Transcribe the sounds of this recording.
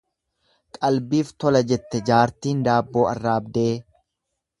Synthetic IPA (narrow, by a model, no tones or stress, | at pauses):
kʼɐlbiːft̪ɔlɐd͡ʒɛt̪ːɛd͡ʒaːɾt̪iːnd̪aːbːo̞ːɐrːaːbd̪eː